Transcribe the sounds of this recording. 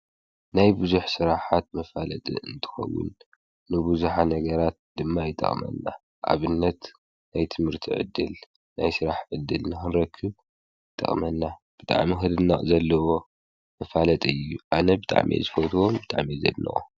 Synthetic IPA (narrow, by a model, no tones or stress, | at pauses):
najbuzuħsɨɾaħat̪̚mɐfalɐt̪ʼḭʔɨ̰nt̪ʰɨ̥xɐ̰wːʊ̰nː | ɨbuzuħanɐɡɐɾat̪̚d̪ɨmːajɪt̪ʼːɐ̰χʼmɐ̰nːa̰ | ʔa̰βɨnːɐt̪ | najt̪ʰɨmhɨɾt̪ʰiʕɨ̰d̪ːɨl | najsɨɾaħʕɨd̪ːɨlnɨxɨnɾɐkʰːɨβ | jt̪ʼːɐ̰χʼmɐnːab̥ɨt̪ʼa̰ʕmixɨd̪ɨnɐʔʼzɐlːɐwo̞ | mɐfalɐt̪ʼiɨjːuʔanɐbɨt̪ʼa̰ʕmʔḛzɨfot̪ʰwombɨt̪ʼa̰ʕmizɐ̰d̪nɐ̰ʔʼo